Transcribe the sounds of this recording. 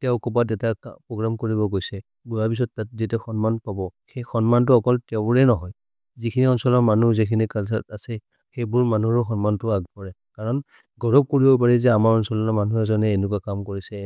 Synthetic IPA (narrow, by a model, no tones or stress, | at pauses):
tɛʊkɔpatɛtakpɹɔɡɹamkoɹibɔɡojsɛ | bujapis̬ɔtːat̚ditɛxɔnmanpabɔxɛjxɔnmant̬ʊɔkɔltɛʊbʊɹɛnɔɦɔj | zikʰiniɔnsɔlɔmanuzikʰinikalsatasɛ | xejbʊɹmanuɹɔxɔnmantʊaɡ̚pɔɹɛkaɹɔn | ɡɔɹɔb̚koɹibɔpaɹɛzɛamaɹɔnsɔlɔnɔmanuɛzɔnɛːnʊk̬wakamkoɹisɛ